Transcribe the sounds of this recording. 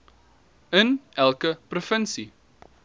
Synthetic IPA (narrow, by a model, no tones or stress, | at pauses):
ənʔælˠkəprofənsi